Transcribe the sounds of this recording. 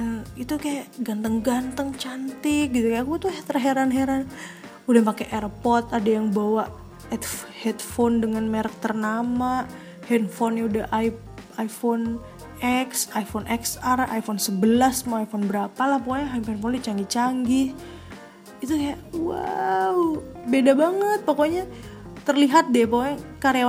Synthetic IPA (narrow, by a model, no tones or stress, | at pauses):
əit̪ukajaʔɡant̪əŋɡant̪əŋt͡ʃant̪ɪk̚ɡit̪ukajakuat̪uhɛt̪ɾəɦeɾanɦeɾan | udɛhpakeʔɛɾpɔt̪adajaŋbawaʔ | ɛt̪hɛt̪fondəŋanmɛɾək̚t̪ərnama | hɛnfɔnjaudaʔaj | ajfon | ɛksajfonʔɛksara̰jfɔnsəbəlasmaajfɔnbəɾapalahp̬oɛɦapɛnfondt͡ʃaŋɡit͡ʃaŋɡi | it̪ujaʔwa̰wbedabaŋət̪̚pokoɲat̪ərliɦat̪̚dɛpoɛkaɾe